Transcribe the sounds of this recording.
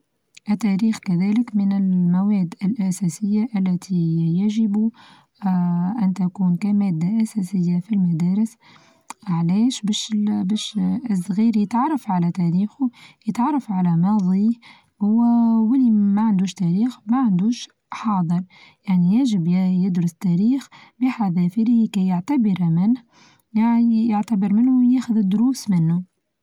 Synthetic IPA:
ʔɪt̪ːæɾiːxkæðæːlɪkmɪnɪlmæwɛːd̪ːɪlʔæsæːsɪjːaʔælːæt̪ʰijaʒɪbu | ʔænt̪ækuːnkæmæːd̪ːaʔæsæːsɪjːafilmæd̪æːɾɪs | ʕlɛːʃbæʃbæːʃsˤɣiːɾjət̪ʕɑrˤːɑfʕalæt̪æːɾiːxʊjət̪ʕɑrˤːɑfʕalɛmɑðˤi | hʊwːæwɪlːimæʕand̪uːʃt̪æɾiːxmæʕand̪uːʃ | ħɑːd̪ˤəɾjaʕnijaʒɪbjɪd̪ɾʊst̪æɾiːxbɪħaðɛfilikɛjəʕt̪abəɾmɪnh | jaijəʕt̪abəɾmɪnːujɛːxʊðɪd̪ːʊɾuːsmɪnːʊ

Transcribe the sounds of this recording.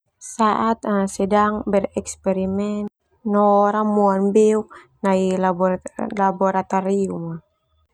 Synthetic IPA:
saʔat̪̚aasɛdaŋbɛrɛkspɛɾimɛn | nɔɾamuanbɛuk̚ | nailblabɔɾat̪ɔɾiuma

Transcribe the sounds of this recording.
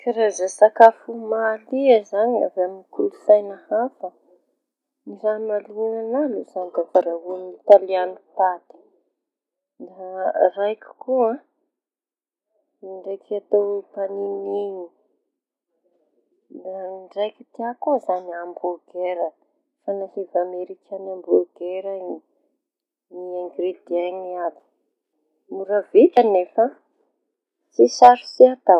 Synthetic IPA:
kaɾazasakafumaliazaɲa̰veaminikulusajnəhafə | nizamalunanaluzand̪afaɾaɦunit̪alianut̪at̪i̥ | d̪arajkʲu̥kuã | iɳɖ͡ʐejkat̪owpaniniɲi | d̪aɖ͡ʐajki̥t̪iakuzaniamboɡ̥eɾə | fanahivameɾikʲanambloɡeɾa | niaŋɡrid̪iaŋiad̪i̥ | muɾavit̪anefə | t͡sisaɾu̥siat̪a

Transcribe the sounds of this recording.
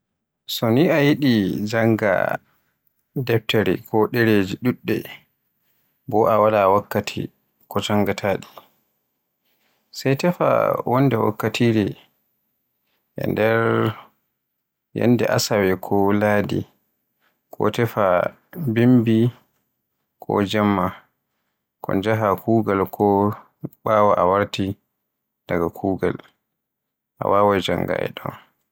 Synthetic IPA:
sɔniʔajiɗid͡ʒaŋɡa̰ | dɛp̚taɾɛkɔɗɛɾed͡ʒiɗuɗːɛ̰ | bɔʔawalawakːatʰḭ | kɔt͡ʃaŋɡatʰaːɗi | sajtɛfa̰wɔndɛwa̰kːatʰiɾɛ | ʔɛ̰ndɛɾ | jɛ̰ndɛʔasawɛkʰɔlaːdḭ | kʰɔtɛfa | bimbi | kʰɔ̰d͡ʒamːa | kʰɔ̰nd͡ʒaɦakuːɡalkʰɔ | ɓawaʔawaɾti | d̥aɡakʰuːɡa̰l | ʔa̰waːwad͡ʒaŋɡa̰ɛ̰ɗɔ̰n

